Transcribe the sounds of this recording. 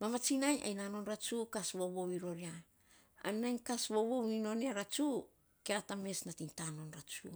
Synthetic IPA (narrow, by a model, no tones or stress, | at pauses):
mamat͡ʃinaja̰jnano̞nɾat͡ʃukasβo̞βo̞wiɾo̞ɾia | a̰nːajnkasβo̞βo̞wino̞neaɾat͡ʃu | keatame̞snatintano̞nɾat͡ʃu